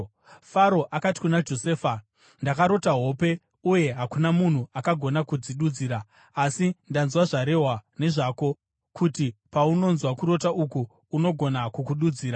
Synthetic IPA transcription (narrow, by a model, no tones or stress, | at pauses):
faɾo̞ʔakati̥kunad͡ʒo̞seːfa | ndakaɾo̞taɦo̞pe̞ | uje̞ɦakunamun̤uʔakaɡʱo̞nakud͡ziɗud͡ziːɾaː | sindanzwaʐaɾe̞ɦwane̞ʐaːko̞ | kutipauno̞nzwakuɾo̞taʔukuː | no̞ɡʱo̞nakukuɗud͡ziːɾa